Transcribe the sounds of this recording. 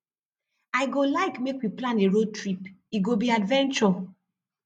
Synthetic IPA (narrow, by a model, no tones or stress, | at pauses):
aɪɡolaɪkmekwiplãneɹod̚tɹipiɡobiadvɛ̃nt͡ʃɔ